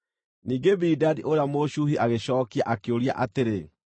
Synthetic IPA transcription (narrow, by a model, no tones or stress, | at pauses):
niːŋɡebidadiʔoɾeamoʃuɦiʔaɣeɕɔːkiaʔakeoɾia̰ʔateɾe